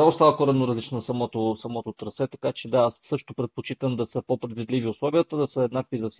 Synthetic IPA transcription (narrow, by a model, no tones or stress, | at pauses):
ast̪alˠkɔɾɛnoɾɐzlit͡ʃnsɐmɔt̪osɐmɔt̪ot̪ɾɐsɛt̪ɐkat͡ʃɛd̪aassɤʃt̪opɾɛt̪̚pot͡ʃit̪əmd̪ɐsɤpopɾɛd̪vid̪liviʊslˠɔviət̪əd̪ɐsəɛd̪nakvizɐfsi